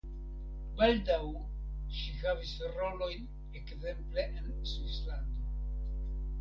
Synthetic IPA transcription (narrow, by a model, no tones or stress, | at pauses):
baldaw | ʃihavisɾo̞lo̞jn | ekze̞mple̞ʔensuslando